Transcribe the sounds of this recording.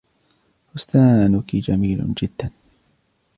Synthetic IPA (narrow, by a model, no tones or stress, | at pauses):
hʊst̪aːnʊkid͡ʒamiːlʊ̰d͡ʒɪd̪ːan